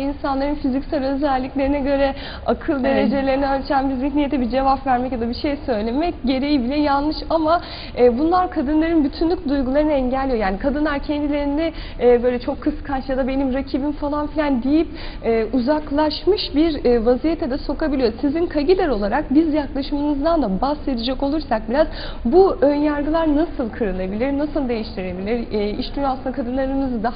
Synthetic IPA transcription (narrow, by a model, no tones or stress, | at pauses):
insanlˠaɾɯnfizicsaɾʲø̞zælʲːiclʲe̞ɾinɛɟø̞ɾɛ | akʰɯlˠd̪e̞ɾe̞d͡ʒe̞lʲe̞ɾinɛat͡ʃʰænbizmiçnijet̪ʰɛbid͡ʒe̞vapvæɾmɛcjad̪abiʃe̞jsø̞jlʲe̞mɛc̚ɟe̞ɾe̞jibilʲɛjanˠnɯʃama | ɛːbunlˠaɾkʰad̪ɯnlˠaɾɯnbyt̪ʰynlʲycd̪ujɡulˠaɾɯnɯɛɲɟælʲːijojaːnikʰad̪ɯnlˠaɾcʰɛnd̪ilʲe̞ɾinɛː | bø̞jlʲɛt͡ʃʰo̞kʰːɯskʰat͡ʃjad̪abe̞nimɾacʰibimfalˠanfilʲænd̪ijip̚ɛːuzaklˠaʃmɯʃbiɾvazijet̪ʰɛd̪ɛso̞kabilʲijo̞uzizinkʰaɟilʲɛɾo̞lˠaɾak̚bizjaklˠaʃɯmɯnɯzd̪and̪abase̞d̪id͡ʒako̞lˠuɾsak̚biɾaz | buønjaɾɡɯlˠaɾnasɯlˠkʰɯɾɯlˠabilʲiɾnasɯlˠd̪e̞jiʃt̪ʰiɾe̞bilʲiɾiʃd̪ynjaːasɯnd̪akʰad̪ɯnlˠaɾɯmɯzɯd̪a